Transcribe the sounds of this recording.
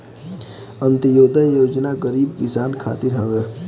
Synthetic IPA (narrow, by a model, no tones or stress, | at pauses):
ə̃nt̪əjoːd̪ajoːd͡ʒnaɡəɾiːbkɪsaːnkʰa̰ːt̪ɪɾɦəʋeː